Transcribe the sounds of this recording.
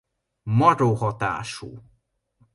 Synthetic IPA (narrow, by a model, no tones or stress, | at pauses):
mɒɾohɒt̪a̰ːʃṵː